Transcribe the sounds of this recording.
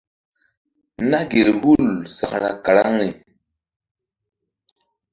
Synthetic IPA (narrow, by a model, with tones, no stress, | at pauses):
na˦ɡe˨ɾhu˦lsa˨kɾa̰˨ka˨ɾa˦ŋɾi˨